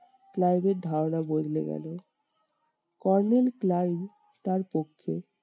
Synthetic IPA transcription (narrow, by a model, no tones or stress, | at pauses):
klajbeɾd̪ʱaɾonabod̪ʱlḛɡɛ̰lo | kɔɾnelklajb | ʈ̪aɾpokʰːe